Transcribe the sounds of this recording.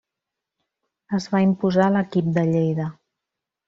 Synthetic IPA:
əzβaimpuzaləkip̚d̪əʎejðə

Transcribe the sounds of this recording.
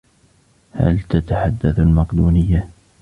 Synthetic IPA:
ha̰lt̪at̪aħad̪ːaθalmɑqd̪uːnɪjːa

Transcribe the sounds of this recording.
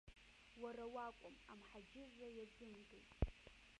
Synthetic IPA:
waɾawakʷʼʊmamħad͡ʒɪrːajad͡zɨmɡʼejtʼ

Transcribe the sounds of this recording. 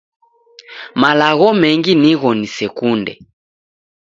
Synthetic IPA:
malaɣɔmɛŋɡiniɣɔnisɛkundɛ̰

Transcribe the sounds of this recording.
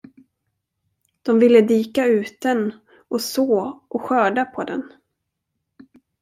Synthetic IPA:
d̪̥ɔmvɪlːəd̪iːkaʉ̟ːt̪̚d̪ɛn | ʔɔsoːʔɔɧœːɖapʰɔd̪ɛ̰n

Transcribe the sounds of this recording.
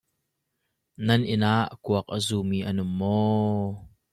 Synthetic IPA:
nɐnʔɪnaːʔkuɐk̚ʔəzuːmiːʔənʊmːɔː

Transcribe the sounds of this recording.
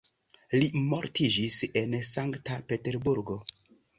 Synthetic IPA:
limo̞ɾtʰid͡ʒise̞nsaŋktape̞te̞ɾbuɾɡo̞

